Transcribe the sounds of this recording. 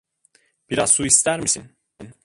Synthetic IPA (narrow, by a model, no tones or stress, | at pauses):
b̥iɾazsuist̪ʰæɾmisin | n